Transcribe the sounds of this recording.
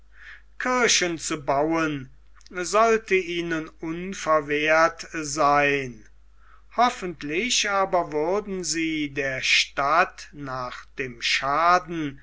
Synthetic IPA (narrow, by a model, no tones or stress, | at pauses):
kʰɪɐʃənt͡subawən | zɔltəiːnənʊnfɛɐveːɐtzaɪn | hɔfəntʰlɪɕaːbɐvʊɐdn̩ziːdeːɐʃtatnaːχd̥eːmʃaːdn̩